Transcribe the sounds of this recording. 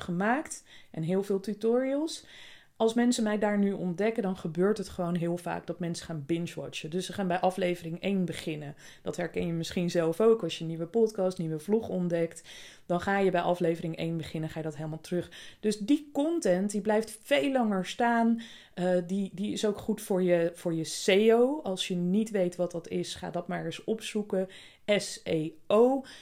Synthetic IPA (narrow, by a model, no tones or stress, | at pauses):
χəmaːktɛnɦɪːlˠvɪːlˠtytʊːɹiəlˠs | ɑlˠsmɛnsəmɛjdaːɹnyʔɔ̰ndɛkədɑnχəbøːɹtɦətχəʋownɦɪːlˠva̰ːk̚dɑtmɛnsə̥χaːnbɪnʃʋɑ̰t͡ʃədɵsəχaːnbɛjʔɑflejvərɪŋejnbəχɪnə | d̥ɑtɦɛɹkɛnjəmɪsχinzɛlˠfowkɑsjəniʋəpɔtkɑstniʋəvluχɔndɛkt | d̥ɑnχaːjəbɛjʔɑflejvəɾɪŋʔḛjnbəχɪnənχaːjədɑtɦelˠmalˠtərɵχd̥ɵsdikɔntɛntdiblɛjftfejlːɑŋəɹstaːn | didiɪsowkχutfʊːɹjəv̥ʊːɹjəsejowɑlˠsjənitʋejtʋɑtdɑtɪsχa̰ːdɑt̚maɹɛəsɔpsukə | ɛseow